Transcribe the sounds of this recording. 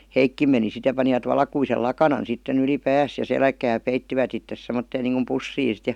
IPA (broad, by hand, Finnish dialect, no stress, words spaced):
heikːim meni sit jɑ pɑniʋɑt ʋɑlkuisel lɑkɑnɑn sitːen yli pæːs jɑ selkæː peitːiʋæt itːes semːotːeːn niːŋkum pusːiː sit